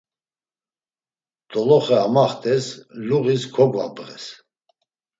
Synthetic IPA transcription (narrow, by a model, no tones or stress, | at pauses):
d̪̥ʼɔlɔχɛamaχt̪ʰʼɛsluɣiskʰɔɡva̰bʁɛ̰s